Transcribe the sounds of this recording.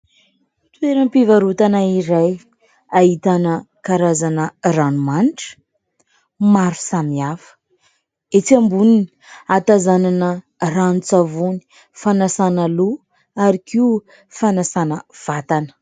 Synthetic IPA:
t̪weɾəmpivaɾut̪anaiɾaj | aɦit̪anə | kaɾazanəranumaniʈ͡ʂə̥ | maɾu̥samiafə̥ | et͡siambunini̥ | at̪azananə | ranut͡savuni̥ | fanasanalu | aɾikiu | fanasanəv̥at̪anə̥

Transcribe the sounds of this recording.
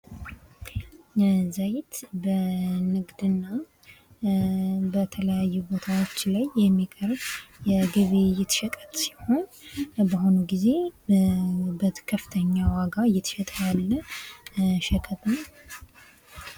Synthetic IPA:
zajt̪bənɨɡd̪ɨnːa | bət̪ʰələjajːubot̪ʰawo̞t͡ʃːlajːɛmːikʼəɾbjɛɡɨβejɪt̪ʃɛkʼət̪ʼsi̥ho̞nbəɦo̞nuɡize̞ | bəkʰəfɨ̥t̪ʰəɲːawaɡajɪt̪ʃɛt̪ʼjalːə | ʃɛkʼət̪ʰən

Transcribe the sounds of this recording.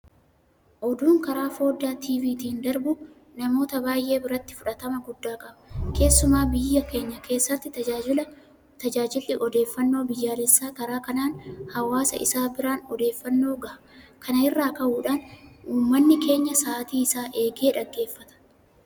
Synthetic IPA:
ʔɔd̪uːŋkɐɾaːfo̞ːd̪ːaːt̪ʰiːviːt̪iːnd̪ɐɾbʊ | nɐmo̞ːt̪ɐbaːjʔe̞ːbɪɾɐt̪ːɪ̥fʊᶑɐt̪ɐmɐɡʊd̪ːaːkʼɐbɐkʰe̞ːsːʊmaːbɪjːɐke̞ːɲːɐkʰe̞ːsːɐt̪ːɪt̪ɐaːɪlɐ | t̪ɐd͡ʒaːd͡ʒɪlːɪʔɔd̪e̞ːfːɐnːo̞ːbɪjːaːlɛsːaːkɐɾaːkɐnaːnhɐwaːsɐ̰ʔɪ̰saːbɪɾaːnɔd̪e̞ːfːɐnːo̞ːɡɐʔɐkʰɐnɐɪrːaːkɐhuːᶑaːnuːmːɐnːɪkʰe̞ːɲːɐsaːt̪iːɪsaːʔe̞ːɡe̞ːᶑɐɡːe̞ːfːɐt̪ɐ̥

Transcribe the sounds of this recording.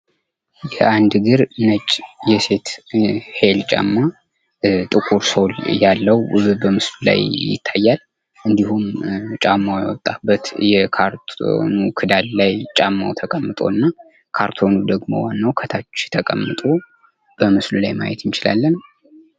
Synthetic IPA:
jɛand̪ɡɨɾnət͡ʃʼːjɛse̞t̪he̞lt͡ʃʼa̰mːa | t̪ʼɨkʼuɾsoljalːəwbəmɨslula̰jjɪ̰t̪ʰːajːal | ʔɨnd̪ihumt͡ʃʼamːajɛ̰wɔt̪ʼːabːət̪jɛkʰaɾt̪ʰo̰nukʰɨd̪allajt͡ʃʼamːa̰wt̪ʰəkʼəmːɨt̪ʼo̞nːa | kʰaɾt̪ʰo̞nud̪əɡmo̞̰wanːəwkʰət̪ʰat͡ʃːt̪ʰəkʼəmːɨt̪ʼo̞ | b̥əmɨslulajma̰jɛt̪jɪnt͡ʃɪla̰lːən

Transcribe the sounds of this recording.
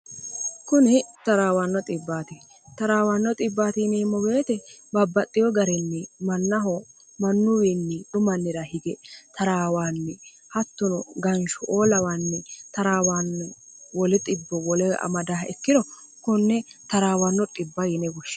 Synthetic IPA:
kʊnɪt̪ɐɾaːwanːɔt̪ʼɪbːaːt̪ɪ | t̪ɐɾaːwanːɔt̪ʼɪbːaːt̪ɪnɛmːɔwe̞ːt̪ɛbɐbːɐt̪ʼːɪjɔɡɐɾɛnːɛmɐnːɐɦɔ | mɐnːʊwinːɪᶑ̪ʊmɐnːɪɾɐhɪɡɛt̪ɐɾaːwaːnːɛ | hɐt̪ːʊnʊɡɐnʃʊʔoːlɐwaːnːɛt̪ɐɾaːwaːnːɛwɔlɛt̪ʼɪbːɔwɔlɛɐ̰mɐd̪aːhɛkːɪd̪ɔ | kʊnːɛt̪ɐɾaːwɐnːɔt̪ʼɪbːɐjɪnɛwɔʃː

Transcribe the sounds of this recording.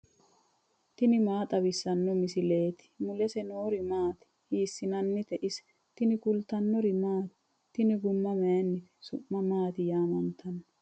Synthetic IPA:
t̪ɪnɪmaːt̪ʼɐβɪsːɐnːɔmɪsɪle̞ːt̪ɪ̥mʊlɛsɛnoːɾɪmaːt̪ɪ̥ | hiːsːɪnɐnːɪt̪ɛʔɪs | t̪ɪnɪkʊlt̪ɐnːɔɾɪmaːt̪ɪ̥ | t̪ːɪnɪɡʊmːɐmɛjɐnːɪt̪ɛ̥sʊʔːɐmaːt̪ɪjaːmɐnt̪ʰɐnːɔ

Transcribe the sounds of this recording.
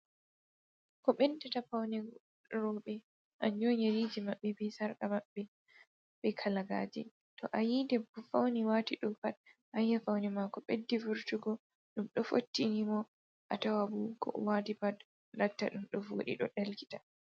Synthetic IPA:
kɔɓɛndɛtafawnɛ | ɾɔɓɛ | ʔaɲd͡ʒoɲaɾiːd͡ʒimaɓːɛbɛsaɾkamaɓːɛ | ɓɛkʰalaɡa̰ːd͡ʒḭ | tɔʔajidɛbɔfawniwaːtiɗɔpathajːafawnɛmakɔɓedːivuɾtuɡɔ | ɗumɗɔfo̰tːinimɔ | ʔatawabukɔ̰watipat | latːa̰ɗumɗɔvo̰ɗḭɗɔɗalki̥tḁ

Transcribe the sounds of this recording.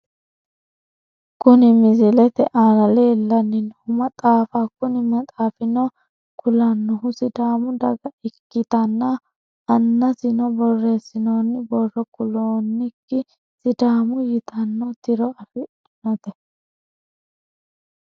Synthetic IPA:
kʊnɪmɪzɪlɛt̪ɛʔaːnɐleːlːɐnːɪnhʊmɐt̪ʼaːfakʊnɪmɐt̪ʼaːfɪnɔ | kʰʊlɐnːɔɦʊsɪd̪aːmʊd̪ɐɡɐɪkːɪt̪ɐnːɐ | ɐnːɐzɪnɔbɔrːeːsɪnonːɪbɔrːɔkʊloːnːɪkːɪ | sɪd̪aːmʊjɪt̪ɐnːɔt̪ɪɾɔɐfɪ | ɪnɔt̪ɛ

